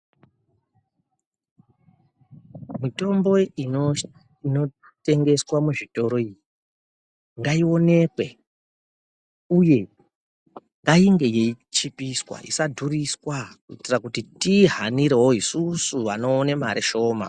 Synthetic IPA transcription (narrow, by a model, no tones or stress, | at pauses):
mito̞mbo̞i | ino̞ | te̞ŋɡe̞swamuʐito̞ɾo̞iji | ŋɡaio̞ne̞kwe̞ | uje̞ | ŋɡaiŋɡe̞jeit͡ʃipiswa̰ʔḭsadʱuriswakuitirakutitiɦaniɾeɦoisusuʋano̞ːnemaɾeʃo̞ːma̰